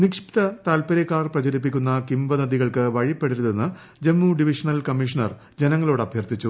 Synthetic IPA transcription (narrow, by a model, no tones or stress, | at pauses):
nikʂi̥pt̪ɐt̪aːlpɐɾekːaːrprɐt͡ɕɐɾip̬ːikʲːunːɐkimbɐnɐðiɣɐɭkɨʋɐɻipːeɽiɾuðenːɨ | d͡ʑe̞mːuɖiʋiʂɐnɐlkɐmːiʂɐnɐr | d͡ʑe̞nɐŋːɐlo̞ːɽɐbʱjɐrt̪it͡ɕːu